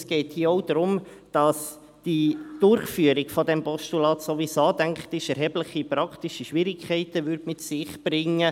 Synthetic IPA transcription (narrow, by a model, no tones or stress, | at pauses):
sɡ̥ɛɪthiəɔʊd̪ɾʊmd̥ɑs | d̥id̥ʊrχfyːəɾɪɡfɔdɛmpɔʃtulɑːt̪sovisɑːtæŋktɪʃɛɾɦɛbləχipɾɑktɪʃiʃʋɪɾɪkʰɛɪtəʋʏɾdmɪtsɪχb̥ɾɪŋːə